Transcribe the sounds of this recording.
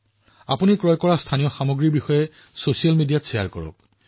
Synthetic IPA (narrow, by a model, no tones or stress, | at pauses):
a̰punikɹɔjkɔɹastʰanijɔxamoɡɹibixɔjɛ | sosialmidijatsija̰ɹkɔ̰ɹɔ̰k̚